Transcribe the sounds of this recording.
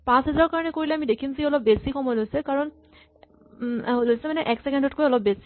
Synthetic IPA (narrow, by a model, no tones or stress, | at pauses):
pãsɦɛzaɹɔkaɹɔnɛkoɹilɛamidekʰimzeiɔlɔb̚besikʰɔmɔjlojsɛkaɹɔn | lojsɛmanɛʔɛksɛkɛndɔtkojɔlɔb̚besi̥